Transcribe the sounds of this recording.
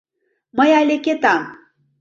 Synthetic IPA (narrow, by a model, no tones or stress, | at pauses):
məjɑlʲeket̪ɑm